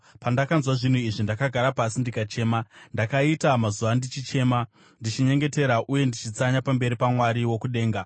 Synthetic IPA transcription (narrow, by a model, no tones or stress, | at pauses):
pandakanzwaʐin̤uiʐindakaɡʱaɾapasindikat͡ʃe̞ːmandakaitamazuʋandit͡ʃit͡ʃe̞ːma | ndit͡ʃiɲe̞ŋɡe̞te̞ɾaʔuje̞ndit͡ʃit͡saɲapambe̞ɾipamwaɾiwo̞kuɗe̞ːŋɡa